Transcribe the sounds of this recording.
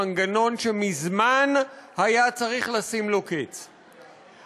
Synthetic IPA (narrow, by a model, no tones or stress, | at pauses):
aŋɡano̞nʃe̞mizmanhajat͡saʁiχlasimloket͡s